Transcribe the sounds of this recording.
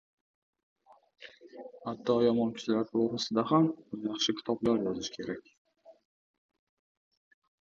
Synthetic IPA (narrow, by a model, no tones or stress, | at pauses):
hat̪ʰːɒjɒmɒnkʰʊ̥t͡ʃʰɪlaɾt̪ɾoɾasɪd̪aɦamʊnjɑχʃɪkʲʰɪ̥t̪ʰɒblaɾjɒzɪʃkʲʰe̞ɾakʲ